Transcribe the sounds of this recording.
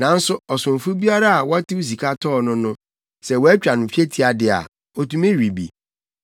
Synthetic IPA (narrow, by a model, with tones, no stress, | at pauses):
nã˨˦n̩˦sʊ˦ɔ˨sʊ̃˨m˨fʊ˦bi˦a˦ɾa˦a˨wɔ˦tɪ˦u˦s̬i˨kʰa˦tʰɔː˦˨nʊ̃˦nʊ̃˦ | sɛ˨wɔ˦ɛ˦t͡ɕᶣɾa˨nʊ̃˨fi˦e˦tʰi˦a˨dɪ˨a̰˨ | ɔ˨tũ˦mẽ˦ɾi˨bḭ˨